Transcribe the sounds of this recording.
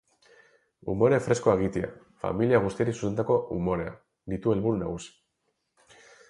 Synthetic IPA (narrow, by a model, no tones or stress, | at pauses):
umo̞ɾe̞fɾe̞sko̞eɣ̞it̪ia̰ | fa̰miliaɣ̞ust̪ieɾisu̥sent̪ako̞ṵmo̞ɾe̞a̰ | d̪it̪ue̞lβuɾunaɣ̞usi̥